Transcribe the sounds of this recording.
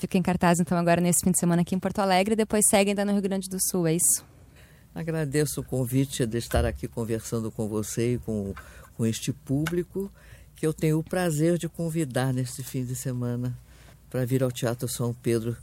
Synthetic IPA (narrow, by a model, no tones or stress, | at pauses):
fikɐẽkaɾt̪azẽnt̪ɐ̃w̃aɡɔɾɐnesɪ̥fĩd͡ʒ̪ɪ̥semɐ̃nɐakiẽpoɾt̪oalɛɡɾɪd̪epojsːɛɡɪɐ̃d̪anʊɦiuɡɾɐ̃d͡ʒɪd̪ʊsuwɛisʊ̥ | a̰ɡɾad̪esʊʊkõvit͡ʃɪd̪ɪst̪aɾakikõveɾsɐ̃nd̪ʊkõvoseɪkõkõest͡ʃɪpublikʊ | kɪewt̪ẽɲʊːpɾazeɾd͡ʒɪkõvid̪aɾnest͡ʃɪfĩd͡ʒ̪ɪsemɐ̃nɐ | pɾɐviɾawt͡ʃiat̪ɾʊsɐ̃w̃ped̪ɾʊ